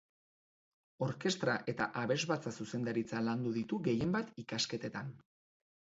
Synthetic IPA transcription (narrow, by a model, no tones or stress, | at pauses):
o̞ɾke̞st̪ɾaʔe̞t̪aʔaβe̞zβat͡sasuse̞nd̪aɾit͡saland̪uðit̪uɣe̞je̞mbat̪ikaske̞t̪e̞t̪an